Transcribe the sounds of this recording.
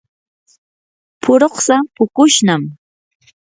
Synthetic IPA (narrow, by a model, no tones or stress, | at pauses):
pʰʊɾoχsapʊkʊʃnam